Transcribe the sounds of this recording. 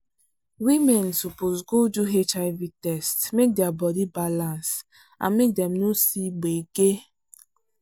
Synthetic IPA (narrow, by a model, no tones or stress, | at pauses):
wimɛnsupozɡod͡ʒuɦetaɪvitɛstmek̚dɪabɔdibalãns | a̰mek̚dɛm̩nusiɡ͡beɡe